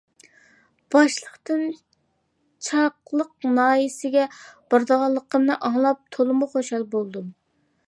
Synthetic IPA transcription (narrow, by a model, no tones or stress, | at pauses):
b̥ɑʃlˠəqt̪ɨn | t͡ʃʰɑqlˠəqnɑːjisɪɡʲɛb̥ɑɾd̪əʁɑlˠːəqʰəmnɨʔɑŋlˠɑp̚t̪ʰolˠɨmuχoʃɑlˠbolˠd̪um